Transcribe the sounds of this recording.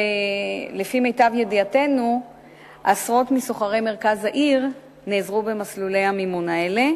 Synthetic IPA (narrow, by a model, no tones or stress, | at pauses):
lefime̞jtavjediate̞nu | ʔasʁo̞tmiso̞χaʁe̞jme̞ʁkazaʔiʁ | neːzʁube̞maslule̞jhamimunae̞le̞